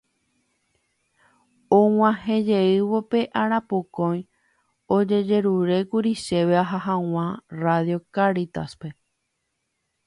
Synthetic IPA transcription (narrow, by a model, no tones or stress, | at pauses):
õw̃ãɦẽ̞d͡ʒe̞ɨʋo̞pe̞ʔaɾ̃ãpokõj̃ | o̞d͡ʒe̞d͡ʒe̞ɾuɾe̞kuɾiʃe̞ʋeaɦaɦãw̃ãraðjo̞kaɾit̪aspe̞